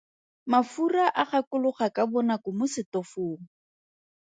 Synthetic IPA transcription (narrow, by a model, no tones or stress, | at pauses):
mafuraʔaχakʊlʊχakabɔnakʊmʊsɪtɔfoːŋ̩